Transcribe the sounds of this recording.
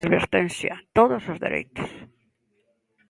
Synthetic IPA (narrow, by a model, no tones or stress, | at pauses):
ðβḛɾt̪ensja̰t̪oðozozðḛɾʔḛjt̪o̥s